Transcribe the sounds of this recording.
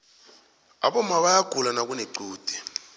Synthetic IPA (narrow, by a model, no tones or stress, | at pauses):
a̰ɓɔmaɓajaɡ̥ʱulanak̬ʼuneǃuːd̥ʱɛ̥